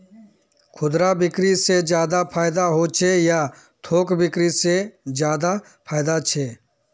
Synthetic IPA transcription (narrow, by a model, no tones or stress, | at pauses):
kʰʊd̪ɾabɪkɾised͡ʒjaːd̪apʰaːɪd̪aɦoːt͡ʃʰejaː | t̪ʰoːkbɪkɾised͡ʒjaːd̪a | pʰaːɪd̪at͡ʃʰeː